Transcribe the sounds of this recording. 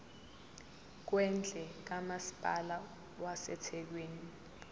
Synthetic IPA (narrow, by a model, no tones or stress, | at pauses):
k̬wɛnd͡ɮʱɛk̬amasi̥pʼala | wasɛ̰tʰɛk̬weːni